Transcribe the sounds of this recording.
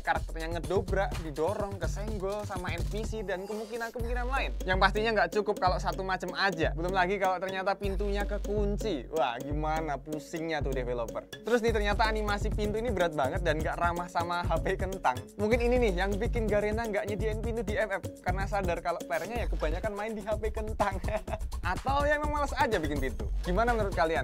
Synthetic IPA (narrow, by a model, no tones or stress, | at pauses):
kaɾak̚t̪ərɲaŋədobɾaʔdidoɾɔŋkəsɛŋɡɔlsamaɛnfisidankəmuŋkinankəmuŋkinanlaɪnjaŋpast̪iɲaŋɡaʔt͡ʃukʊp̚kaloʔsat̪umat͡ʃamad͡ʒabəlʊmlaɡikaloʔt̪ərɲat̪apint̪uɲakəkunt͡ʃiwahɡimanapusɪŋɲat̪udefelopə̰rt̪əɾʊs̬nɪht̪ərɲat̪aːnimasipint̪uinibəɾat̪̚baŋət̪̚danŋɡaʔramahsamaɦapekənt̪aŋmuŋkɪnininɪhjaŋbikɪnɡaɾenaŋɡaʔɲadinpint̪udiɛpɛp̚karnasadarkaloʔplɛɾɲajakəbaɲakanmaɪndiɦapekənt̪aŋʔat̪awjaŋmamalasad͡ʒabikɪnpint̪ṵɡ̥imanamənəɾʊt̪̚kalian